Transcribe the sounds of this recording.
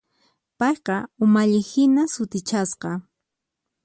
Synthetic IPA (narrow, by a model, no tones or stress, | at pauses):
pɑjqɑʊmaʎɪhɪnasʊt̪ɪt͡ʃasqɑ